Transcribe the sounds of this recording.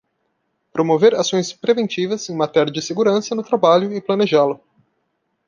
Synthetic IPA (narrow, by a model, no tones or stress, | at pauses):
pɾomoveɾasõj̃spɾevẽnt͡ʃivɐzẽj̃mat̪ɛɾiɐd͡ʒɪseɡuɾɐ̃sɐnʊt̪ɾabaʎʊɪplɐneʒalʊ